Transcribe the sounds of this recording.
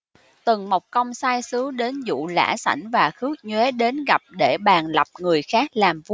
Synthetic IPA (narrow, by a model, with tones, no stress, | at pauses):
t̪ɨ˨˩ŋma˨˩wk͡p̚kə˧wŋ͡msaː˧jsɨ˨˦ɗe˨˦nzṵ˧˨la̰ː˧˥sa̰˧˩jŋ̟vaː˨˩xɨ˦˥ək̚ɲwe˨˦ɗe˨˦nɣa˨˩p̚ɗe˧˩ɓaː˨˩nla˨˩p̚ŋɨ˨˩əjxaː˦˥k̚laː˨˩mvu˧